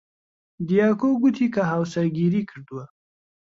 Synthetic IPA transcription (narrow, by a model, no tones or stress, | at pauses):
d̪ijɑkoɡut̪ʰikaɦawsaɾɡiɾikəɾd̪wa